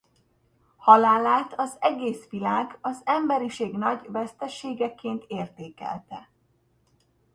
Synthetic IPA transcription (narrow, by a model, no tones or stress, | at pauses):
hɒlaːlaːt̪ʰɒzɛɡeːsʋilaːɡɒzɛmbɛɾiʃeːɡn̪ɒɟvɛst̪ɛʃeːɡɛkːeːnt̪ʰeːrt̪eːkɛ̰lt̪ɛ